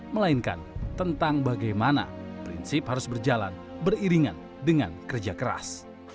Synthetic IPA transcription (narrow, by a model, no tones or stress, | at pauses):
məlainka̰nt̪ənt̪aŋbaɡajmana̰pɾḭnsɪphaɾʊsbərd͡ʒala̰n | bəriɾiŋa̰n | dəŋankərd͡ʒakəɾa̰s